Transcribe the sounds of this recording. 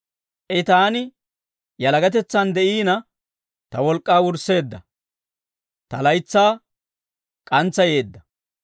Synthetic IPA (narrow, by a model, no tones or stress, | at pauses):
ʔɛt̪aːnɪ | jɐlɐɡɐt̪̬ɛt͡sːɐnd̪ɛʔiːnɐ | t̪ɐwɔlkʼːaːwʊɾsːe̞ːd̪ːɐ̰ | t̪ɐlɐjt͡sːaː | kʼɐnt͡sːɐje̞ːd̪ːɐ